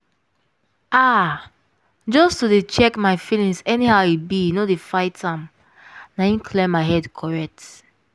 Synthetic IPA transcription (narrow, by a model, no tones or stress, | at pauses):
a | d͡ʒɔstodet͡ʃɛkmaɪfilĩŋsɛnihaʊibinodefaɪtʰãm | naĩnkʰlɛmaɪɦɛdkʰɔɹɛk̚t